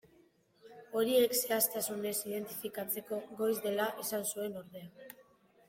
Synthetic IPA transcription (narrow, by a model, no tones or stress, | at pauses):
o̞ɾie̞kse̞ast̪asune̞sið̞e̞nt̪i̥fikat͡se̞ko̞ɣo̞jzðe̞laʔesansue̞no̞ɾðe̞a